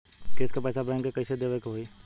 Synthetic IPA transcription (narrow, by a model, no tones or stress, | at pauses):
keskapɛːsabɾɛ̃ːŋkekɐised̪eːʋəkɦoi